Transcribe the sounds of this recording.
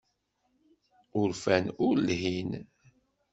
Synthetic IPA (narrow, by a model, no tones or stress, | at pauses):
ʊɾfænʊɾlɦin